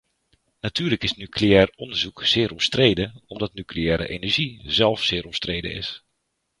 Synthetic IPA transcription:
natʰyːləkɪsnykʰlejɛːɹɔndəɹzukz̥ɪːɾɔmstrejdəɔmdɑtnykliɛːɾə̰ʔḛnɛɹʒizɛlˠfsɪːɾɔmstrejdə̰nɪ̰s

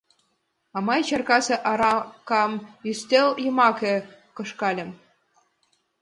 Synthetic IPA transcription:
ɑmɑjt͡ɕɑrkɑsĕʔɑɾɑkɑmyst̪ʲeljɤ̆mɑkɘ̆kɤ̆ʃkɑlʲɘ̆m

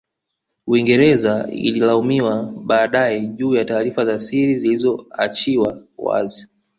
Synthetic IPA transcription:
wiŋɡɛɾɛzaḭlilaumiwaɓaːɗajɛʄuːjataːɾifazasiɾizilizɔat͡ʃiwawa̰zi

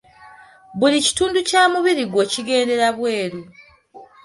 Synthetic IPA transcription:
βulici̥tuːnducaːmuβiɾiɡwe̞ciɡe̞ːnde̞ɾaβwe̞ːɾu

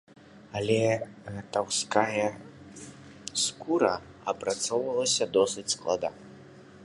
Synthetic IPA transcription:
ɐlʲɛt̪awskajɐ | skuɾɐ | ɐpɾat̪sɔwvɐlˠɐsʲɐd̪ɔsɨt͡sʲsklˠa̰d̪a̰

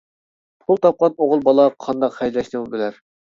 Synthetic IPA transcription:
pʰulˠt̪ʰɑp̚qɑnoʁʊlˠbɑlˠɑqʰɑnd̪ɑqχɛjllɛʃnɨbɪlæɾ

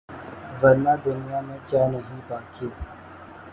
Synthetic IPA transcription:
ʋɐɾnaːd̪ʊnijaːmẽkjaːnəɦĩbaːkiː

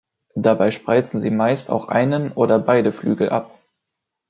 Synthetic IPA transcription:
d̥abaɪʃpʁ̥aɪt͡sn̩ziːmaɪstʰa̰ʊxʔa̰ɪnənʔoːdɐbaɪdəflyːɡl̩ʔa̰p̚

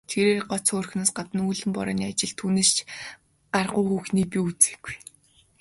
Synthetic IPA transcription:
t̪ʰeɾeːrɢɔt͡sʰʊːrxnaːsɢat̪ə̆nuːɮɘ̆mpɔ̰ɾɔ̰ːniːat͡ɕɪ̆ɮt̪ʰuːneːst͡ɕʰ | ɢarʁʊːxuːxniːpʲiut͡sĕ̥ɡu̥j

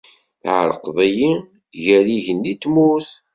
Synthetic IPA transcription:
θʕə̰ɾəqvæji | ʝæɾiʝənːit̪ːmuθ

